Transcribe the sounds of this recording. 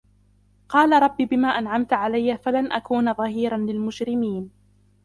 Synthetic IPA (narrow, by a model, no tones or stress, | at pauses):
qɑːlaɾˤɑbːiːbɪmaːʔanʕamt̪ʕalajːafalanʔakuːnaðˤɑhiːɾanlɪlmʊd͡ʒɾɪmiːn